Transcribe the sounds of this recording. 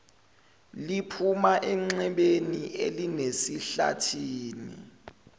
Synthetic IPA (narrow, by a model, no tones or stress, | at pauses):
lipʰumaʔɛŋ͡ǀɛɓenielinesiɬa̰tʰiːnḭ